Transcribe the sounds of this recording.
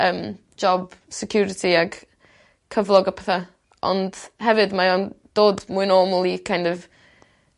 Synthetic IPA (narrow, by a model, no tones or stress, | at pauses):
əːm | d͡ʒɔbsɛkʰj̥ʊɾɪtʰiaɡ | kʰəvlˠɔɡəpʰɛθa | ɔ̰nd̥hɛvɨdmaɔnd̥oːdmuɨnɔmlˠikʰajndɔv